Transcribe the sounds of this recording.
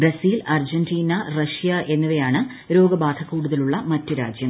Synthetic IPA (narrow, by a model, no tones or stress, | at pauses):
brɐsiːlɐrd͡ʑɐndiːnɐrɐʂjɐʔe̞nːuʋɐjaːɳɨ | ɾo̞ːɡɐbaːd̪ʰɐkːuːɽuðɐluɭːɐmɐtːuɾa̰ːd͡ʑjɐm